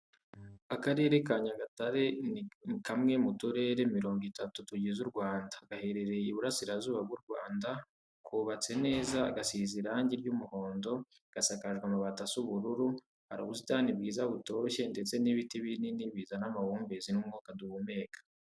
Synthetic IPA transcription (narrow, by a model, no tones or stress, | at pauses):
akaɾe̞ːɾe̞kaɲaɡataɾe̞nikamŋe̞mutuɾe̞ɾe̞miɾo̞ːŋɡitatutuɟizuɾɡwaːndaɡ̥ahe̞ɾe̞ɾe̞iβuɾasiɾazuːβab̚ɡuɾɡwa̰ːnda | kʰuːβat͡se̞ne̞ːzaɡasiːziɾaɲɟiɾɟumuho̞ːndo̞ | ɡ̥asakaʒɡwamuβatasuβuɾuɾu | haɾuβuzitaːnibɡiːzaβuto̞ʃe̞nde̞t͡se̞niβitiβininiβiːzanamahuːmbezinumŋuːkaduβume̞ːkḁ